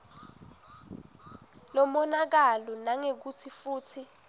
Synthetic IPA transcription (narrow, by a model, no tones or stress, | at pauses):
lɔmɔnak̬alɔnaŋek̬utʰifuːtʰi